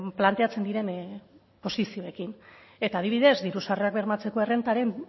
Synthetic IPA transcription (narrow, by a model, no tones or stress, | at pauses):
plant̪e̞at͡se̞nd̪iɾe̞n | po̞sisio̞e̞kin | e̞t̪aːðiβ̞iðe̞zd̪iɾusareak̚be̞ɾmat͡se̞ko̞e̞re̞nt̪aɾe̞n